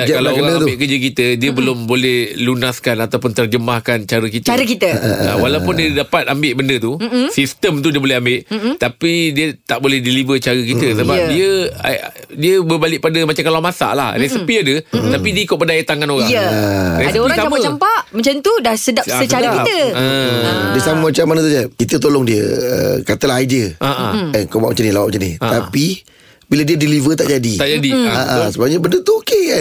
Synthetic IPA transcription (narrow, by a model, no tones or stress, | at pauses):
akalaɣaŋambɪʔkəd͡ʒəkit̪ədiəbəlʊmbolɛhlunaskanat̪awpʊnt̪ərd͡ʒəmahkant͡ʃaɾəkit̪aɾəkit̪əa̰walawpʊndiədapat̪̚ambɪʔbəndət̪usist̪əmt̪̬udiəbolɛɦambɪʔt̪apidiət̪aʔbolɛhdilivət͡ʃaɾək̬it̪əsəbap̚diəa̰diəbəbalɪʔ̚padəmat͡ʃakalamasa̰ʔla̰hdasəmpiədət̪apidiəikʊt̪̚bədajət̪aŋanoɣaŋəadaadaoɾaŋsaamaət͡ʃampaʔmə̃ɲt͡ʃant̪udasədaəst͡ʃaakit̪əədiəsaməmat͡ʃamːanət̪̬udiakit̪ət̪olɔŋdiəə̰kat̪əlaɦad͡ʒəʔaʔa̰ɛnkowaʔmat͡ʃanilawaʔmat͡ʃaniat̪api | biladiədilivət̪aʔd͡ʒadit̪aʔd͡ʒadiaʔasəbaɡaɲabəndət̪uoke